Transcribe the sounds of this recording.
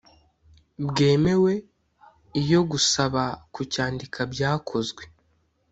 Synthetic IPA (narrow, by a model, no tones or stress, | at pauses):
bɡe̞ːme̞we̞ | ijo̞ɡusaβakucaːndikʰabɟaːkʰo̞zɡwe̞